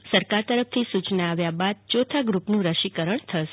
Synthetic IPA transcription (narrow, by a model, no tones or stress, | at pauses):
səɾkaɾt̪əɾəft̪ʰisut͡ʃnaaʋjabad̪̚t͡ʃot̪ʰaɡɾupnũɾəʃikəɾəɳt̪ʰəʃ